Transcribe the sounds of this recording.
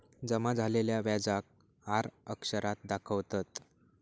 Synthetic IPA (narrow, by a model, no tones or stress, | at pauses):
d͡zəmad͡zʱaleljaʋjad͡zak̚ | aɾəkʂəɾat̪̚d̪akʰəʋt̪at̪